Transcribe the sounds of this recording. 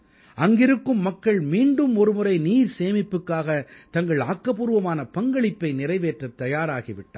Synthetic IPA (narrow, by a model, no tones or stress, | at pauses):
ɐŋɡɪɾɯkːɯmːɐkːɐɭmiːɳɖɯmɔɾɯmɯɾɐɪniːɾseːmɪpːɯkːaːɣɐt̪ɐŋɡɐɭaːkːɐpuːɾɯʋɐmaːnɐpɐŋɡɐɭɪpːɐɪnɪrɐɪʋeːʈrɐt̪ːɐjaːɾaːɣiʋɪʈːaː